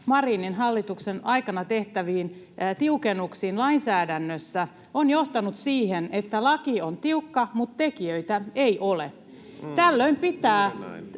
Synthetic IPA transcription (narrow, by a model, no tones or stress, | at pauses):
mɑriːninɦɑlːit̪uksenɑikɑnɑt̪eht̪æʋiːn | t̪iukenuksiːnlɑinsæːdænːøsːæ | onjoht̪ɑnut̪siːhenet̪ːælɑkiont̪iukːɑmut̪tekiøit̪æeiʔole | t̪ælːøimpit̪æː